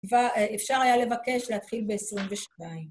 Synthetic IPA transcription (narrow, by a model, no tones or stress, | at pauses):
vaefʃaʁajale̞vake̞ʃleat̪χilbe̞esʁimveʃnaim